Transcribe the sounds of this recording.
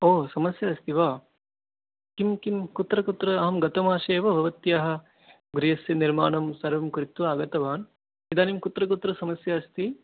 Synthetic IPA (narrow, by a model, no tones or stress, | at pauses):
oːsɐmɐsjɐːst̪iʋaː | kimkimkut̪ɾɐkut̪ɾɐɐɦɐmɡɐt̪ɐmaːʃeːʋɐbʱɐʋɐt̪jaɦɐ̆ | ɡɾijɐsjɐniɾma̰ːɳɐmsɐɾʋɐmkuɾit̪ʋaːɡɐt̪ɐʋaːn | id̪aːnimkut̪ɾɐkut̪ɾɐsɐmɐsjɐːst̪i